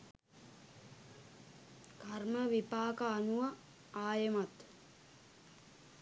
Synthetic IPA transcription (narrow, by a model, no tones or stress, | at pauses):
karməʋipaːkaːnuʋa | aːjəmat̪